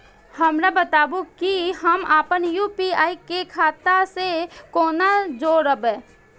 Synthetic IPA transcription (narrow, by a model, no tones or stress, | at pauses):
həmɾabət̪aːbukiɦəmaːpənjuːpiaːikekʰaːt̪asekoːnad͡ʒoːɾəbɛ̃ː